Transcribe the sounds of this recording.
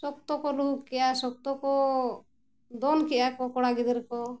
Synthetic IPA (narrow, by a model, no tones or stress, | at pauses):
sɔkt̪ɔkɔlukkijasɔk̚t̪ɔkɔ | d̪ɔnkiʔakɔkɔɽaɡid̪ɛɾkɔ